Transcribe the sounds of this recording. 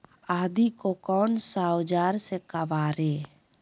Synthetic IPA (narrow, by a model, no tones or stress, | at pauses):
aːd̪ikokɔːnsaːwd͡ʒaːɾsekəʋaːɾeː